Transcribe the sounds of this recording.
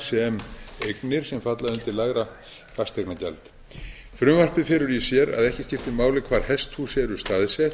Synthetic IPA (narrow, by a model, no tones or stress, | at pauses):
sɛɛmejknɪɾ̥sɛmfat̪laðʏnt̪ɪɾlaɣɾa | fast̪ʰeknaca̰lt̪ | fɾʏmvar̥pɪfɛːɾʏɾjɛsjɛɾa̰ðɛhcɪscɪft̪ɪmaːwlɪkʰvaːɾ̥hɛst̪husjɛɾʏst̪aːðsɛt̪